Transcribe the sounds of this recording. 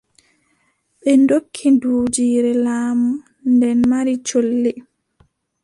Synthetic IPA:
ɓɛndokʰːinduːd͡ʒiːɾɛlaːmu | ndɛnmaɾit͡ʃolːɛ

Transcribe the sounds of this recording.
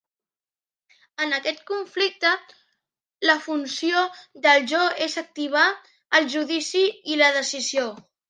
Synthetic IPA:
ənəkɛt̪̚kuɱflik̚t̪ə | ləfunsioðəlˠʒɔezək̚t̪iβ̞a | əlˠʒuðisiiləðəsizio

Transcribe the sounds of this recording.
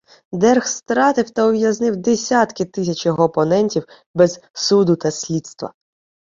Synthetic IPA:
d̪ɛrxst̪ɾɑt̪ɪwt̪ɐɔʋʲjɐznɪwd̪esʲat̪kɪt̪ɪsʲɐt͡ʃjɔɦɔːpɔnɛnʲtʲiw | bɛz̥sud̪ʊt̪ɐsʲlʲit̪st̪ʋɐ̰

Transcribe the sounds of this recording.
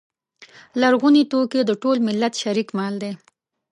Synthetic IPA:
laɾɣunit̪oked̪əʈolmɪlːat̪ʃaɾikmɑld̪e

